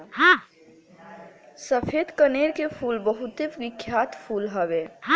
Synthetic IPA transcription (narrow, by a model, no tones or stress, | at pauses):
ɦã | səpʰed̪kəneɾkepʰuːlbəɦut̪eʋɪkʰːjaːt̪pʰuːlɦəʋeɦã